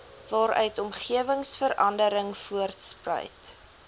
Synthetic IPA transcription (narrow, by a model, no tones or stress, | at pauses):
vɑːɾœ̰ɥtɔmχiəvəŋsfəɾɐndəɾəŋfuərtsprœ̰jt